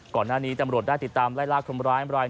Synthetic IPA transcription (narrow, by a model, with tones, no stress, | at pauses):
kɔː˨˩nːaː˥˩niː˦˥t̪a˧mɾu˨˩ət̪̚da˥˩t̪i˨˩t̪ːaː˧mlaː˥˩jlaː˥˩kʰo˧mɾaː˦˥˦mɾaː˧j